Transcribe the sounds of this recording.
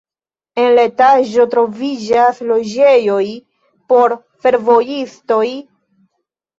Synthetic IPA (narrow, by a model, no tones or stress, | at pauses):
e̞nletaʒo̞tɾo̞vid͡ʒaslo̞d͡ʒe̞jo̞j | po̞ɾ | fe̞ɾvo̞jisto̞j